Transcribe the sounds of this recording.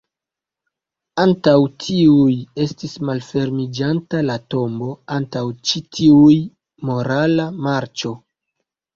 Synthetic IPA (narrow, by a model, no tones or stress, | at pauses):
antawtʰiuje̞stismalfe̞ɾmid͡ʒantalato̞mbo̞antawt͡ʃitʰiuj | mo̞ɾalamaɾt͡ʃo̞